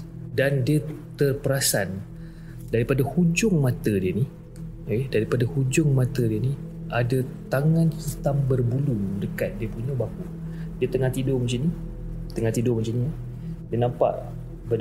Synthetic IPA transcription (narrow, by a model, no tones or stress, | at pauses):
dandiət̪ərpəɾasan | daɾipadahud͡ʒʊŋmãt̪ədiəni | okedaɾipadahud͡ʒʊŋmãt̪ədiəni | ʔadat̪aŋãnhit̪ambərbuludəkat̪̚diəpuɲabaku | diət̪əŋaht̪idʊmənt͡ʃini | t̪əŋãt̪idʊmənt͡ʃini | diənampa̰ʔ | b